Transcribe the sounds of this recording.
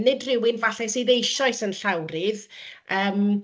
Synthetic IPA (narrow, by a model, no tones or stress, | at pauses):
nɪdrɪwɪnvaɬɛsɨːðejʃɔɨsənɬawɾɪðəːm